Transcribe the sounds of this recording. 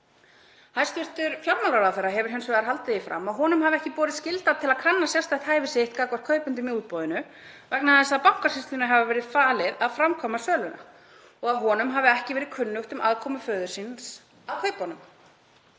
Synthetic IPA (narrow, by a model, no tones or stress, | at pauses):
hajst̪vʏr̥t̪ʏɾfjawɾmalaɾaðfɛɾaɦɛvʏɾɦɛnsvɛɣaɾɦal̪t̪ɪifɾa̰mːaɦɔːnʏmhavɛhcɪpɔːɾɪðscɪlt̪at̪ʰɪlaðkʰɾanːasjɛrst̪aht̪haːjvɪsɪht̪kakvaɾkʰœːɥpʏnt̪̬ʏmiuːt̪̚pɔːðɪnʏ | vɛknaðɛsːapaw̥kaɾ̥ɪst̪ʏnaɦɛvavɛːɾɪðfaːlɪðaðfɾamkʰɔːmasœːlʏna̰ | ɔɣaðɦɔːnʏmɦaːvɪɛhcɪvɛːɾɪkʰʏnːʏxt̪ʏmʔaðkʰɔːmʏfœːðʏ̥sins | aðkʰœːɥphɔnʏm